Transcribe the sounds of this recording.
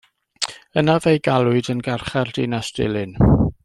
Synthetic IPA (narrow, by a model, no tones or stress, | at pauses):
ənavejɡalˠʊɨdənɡarχardɪnasd̥ɪ̰lˠɪn